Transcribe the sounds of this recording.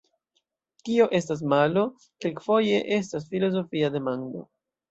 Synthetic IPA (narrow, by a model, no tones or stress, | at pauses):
tio̞ʔe̞stas̬malo̞ | kelkfo̞je̞ʔe̞s̬tas̬filo̞z̬o̞fiade̞mando̞̰